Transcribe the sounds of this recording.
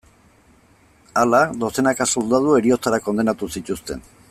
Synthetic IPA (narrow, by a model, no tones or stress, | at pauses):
alad̪o̞se̞nakasold̪að̞ue̞ɾio̞t͡saɾako̞nd̪e̞nat̪usit̪ust̪e̞̰n